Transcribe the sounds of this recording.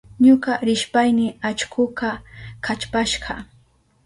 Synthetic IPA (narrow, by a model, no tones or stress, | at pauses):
ɲʊkaɾɪʃpajnɪat͡ʃkʰʊqakat͡ʃpaʃɢɑ